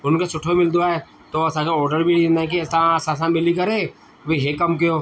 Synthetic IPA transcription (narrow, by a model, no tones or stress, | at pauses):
ʊnkesʊʈʰomɪld̪oaɛ | t̪oɐsakeɔːɾɖəɾbʱiɽiẽnd̪aɛ̃k̬isasaːs̬ãmɪlikɐɾeː | bʱiɦekɐmkijoː